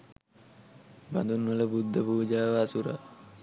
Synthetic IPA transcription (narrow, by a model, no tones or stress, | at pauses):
ba̰nd̪unʋələbud̪ːəpuːd͡ʒaːʋaːsuɾa̰